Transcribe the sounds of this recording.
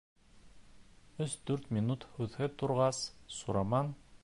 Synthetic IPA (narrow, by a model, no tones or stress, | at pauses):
ɵsd̪ʉɾt̪mʲinut̪hʉðhɘt̪uɾʁɑsːuɾɑmɑn